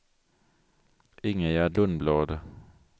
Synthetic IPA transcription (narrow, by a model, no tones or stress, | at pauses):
ɪŋəjæːd̪lʊnbloːd̪ə